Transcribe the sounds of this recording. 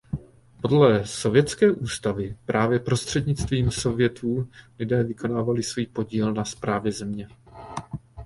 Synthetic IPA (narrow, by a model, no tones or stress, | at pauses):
po̞dlɛso̞vjɛt̪t͡skɛːʔuːst̪avɪpɾʔaːvjɛpɾo̞st̪r̥ɛdɲɪt͡st̪viːmso̞vjɛt̪ʰuːlɪdɛːvɪko̞naːvalɪsvuːpo̞ɟiːlnaspɾaːvjɛzɛmɲɛ